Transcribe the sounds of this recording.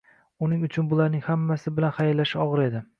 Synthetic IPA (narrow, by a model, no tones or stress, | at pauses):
ʊnɪŋʊt͡ʃʰʊnbʊlˠaɾnɪŋhamːasɪbɪlanχajɾlːaʃɒʁɨɾe̞d̪ɪ